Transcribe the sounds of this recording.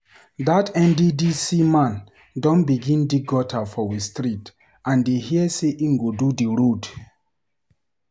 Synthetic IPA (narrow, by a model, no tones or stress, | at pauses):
datɛ̃ndidisimãn | dɔ̃nbiɡĩndiɡɔtʰafɔwistɾit | ãndehiɛseʔĩŋɡodudiɹod